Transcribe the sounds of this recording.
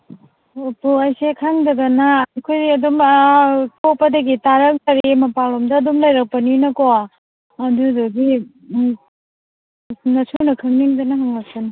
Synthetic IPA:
opuɐjsekʰaŋdɐɡɐnakʰojiɐdum | topɐdɐɡitaɾɐŋtɐɾɾimɐpawlɔmdɐːdumlajɾɐk̚pɐninɐkoa | ɐdudoɡi | nɐsʰunɐkʰɯŋniŋdɐnɐɦaŋlɐk̚pɐnɐ

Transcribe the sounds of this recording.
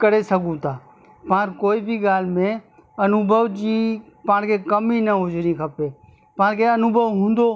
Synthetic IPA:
kəɾesəɡũt̪aː | pãːɾkoːibʱiɡaːlmẽ | ɐnʊbʱəʋd͡ʒiː | pãːɽkekəminəɦʊd͡ʒɾĩkʰəpeː | pãːɾkeɐnʊbʱəʋɦũːnd̪oː

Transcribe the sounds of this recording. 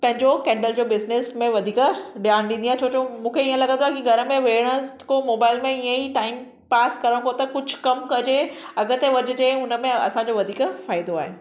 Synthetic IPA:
pɐ̃ɦɪ̃ɲd͡ʑokɛ̃ːɳɖəld͡ʑoːbɪznesmẽʋɐd̪ʱiːkɗijaːñɗ̪ĩnd̪iaːet͡ɕʰoːt͡ɕomũːkʰeiːə̃lɐɡə̃nd̪owaɪkiɡʱɐɾəmẽʋeːɽ̃əkõmoːbaːɪlmẽijə̃iʈaːɪm | paːskɐɾəɽ̃kʰot̪ɐkʊd͡ʑʱʊkɐmkɐd͡ʑeɐɡət̪eʋɐd͡ʑʊ̆d͡ʑeʊnə̆mẽɐ̰sãːɲd͡ʑoʋɐd̪ʱiːkfaːɪd̪oaːɦeː

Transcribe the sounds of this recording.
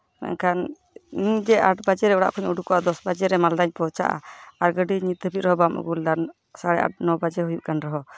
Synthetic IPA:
ma̰kʰan | iɲd͡ʒɛʔaʈbad͡ʒɛɾɛɔɽa̰ʔkʰɔɲuɖukɔʔad̪ɔsbad͡ʒɛɾɛmald̪aɲpɔwt͡ʃa̰ʔa̰aɾɡəɖiɲit̪̚əpit̪̚ɾɔɦɔbamṵɡuld̪an | saɽɛʔa̰ɖ̚nɔbad͡ʒɛɦujuʔkanɾɔɦɔ

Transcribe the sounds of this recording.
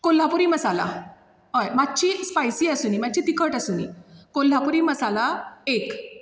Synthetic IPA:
kol̤ːapuɾiməsala̰ | ɦojmat̚ːt͡ɕispajsiːasuːniːmat̚ːt͡ɕiːt̪ikʰəʈasuːnḭkol̤ːapuɾiːməsalaek

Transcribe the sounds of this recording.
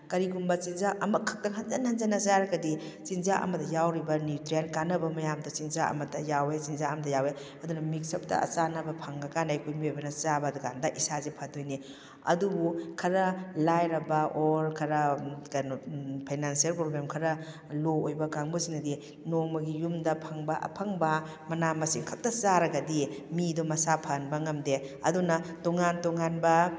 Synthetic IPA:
kɐɾiɡumbɐt͡ʃinzaʔɐmɐkʰɐ̥k̚tɐŋɦɐnzɐnɦɐnzanɐt͡ʃaɾɐɡɐdit͡ʃinzaʔɐ̰mɐdɐjawɾibɐnjutɾenkanɐbɐmɐjamdɐt͡ʃinzaɐ̰mɐdɐjawet͡ʃinzaɐmɐdɐjawe | ɐdunɐmik̚sɐp̚tɐ̰ɐ̰t͡ʃanɐbɐpʰɐŋɡɐkanajkʰojmiojbɐnɐt͡ʃabɐduɡandɐʔisazepʰɐdojni | ɐ̰dubukʰɐɾɐlajɾɐbɐʔolkʰɐɾɐkajnɔpʰajnansiɐlpɾoblemkʰɐɾɐ | loojbɐkaŋbusiŋnɐdi | noŋmɐɡijumdɐpʰɐŋbɐʔɐ̰pʰaŋbɐ | mɐnamɐsiŋkʰɐk̚tɐt͡ʃaɾɐɡɐdimidɔmɐsapʰɐnbɐŋɐmdeɐ̰dunɐtoŋantoŋanbɐ

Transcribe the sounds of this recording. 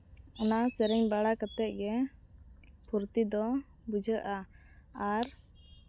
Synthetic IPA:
ɔnasɛɾɛɲbaɽakət̪ɛt̪̚ɡɛ | puɾt̪id̪ɔ | bud͡ʒʱəʔa | aɾ

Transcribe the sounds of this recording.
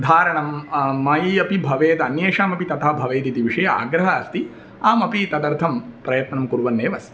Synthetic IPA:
d̪ʱaːɾɐɳɐmːɐjɐpibʱɐʋeːt̪ɐɐnjeːʂaːmɐpit̪ɐt̪ʰɐbʱɐʋeːt̪it̪iʋiʂɐjɐa̰ːɡɾɐɦaːɐst̪i | aːmɐpit̪ɐt̪ɐɾt̪ʰɐmpɾɐjɐt̪nɐmkuɾʋɐnːeːʋɐst̪i̥

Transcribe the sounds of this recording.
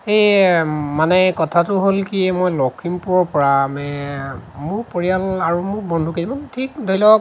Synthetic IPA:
ejmanɛkɔtʰatʊɦolkiɛmojlɔkʰːimpuɹɔɹpɔɹamɛ | mʊɹpoɹijalaɹumʊɹbɔndʱukedimɔntʰikdolɔ

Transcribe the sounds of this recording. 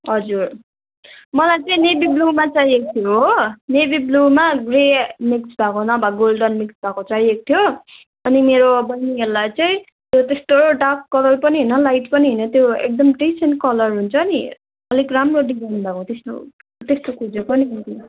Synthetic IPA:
ɦʌd͡zur | mʌlajt͡sʌĩnebiblumat͡saiek̚t̪ʰijoɦnebiblumaɡremiksbʱakonʌbaɡolɖʌnmiksbʱakot͡saiek̚t̪ʰijo | ʌnimeɾobʌnːieɾlajt͡sʌĩ | t̪jot̪est̪oɖakːʌlʌrpʌniɦinʌlajʈpʌniɦinʌt̪joḛk̚d̪ʌmʈensenkʌlʌrɦunt͡sʰʌni | ʌlikramroɖid͡zajnbʱakot̪esʈo̰ | t̪est̪okʰud͡zopʌniɦʌnt̪i

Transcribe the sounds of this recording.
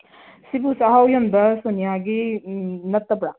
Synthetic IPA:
sibusaɦawjɐnd̪ɐsonijaɡi | nɐt̪ːɐpɽa

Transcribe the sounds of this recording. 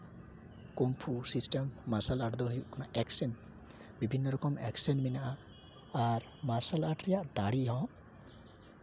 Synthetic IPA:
kompʰusisʈemːasalaʈd̪ɔɦujuʔkanaʔɛksɛn | bibʱinːɔɾɔkɔmɛ̰ksɛnminaʔa | aɾ | masalaʈɾɛjaʔd̪aɽiɦɔ̃

